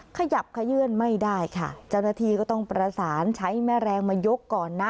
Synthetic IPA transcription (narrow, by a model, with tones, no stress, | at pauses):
kʰa˧ja˨˩p̚kʰa˧jɯ˥˩ənma˥˩jdaː˥˩jkʰa̰˥˩t͡ɕa˥˩wnaː˧˩t̪ʰiː˧kɔː˥˩t̪ɔ˥˩ŋpɾa˧saː˩˦nt͡ɕʰa˦˥jmɛː˥˩ɾɛː˧ŋmaː˧jo˦˥kːɔː˨˩nːa˦˥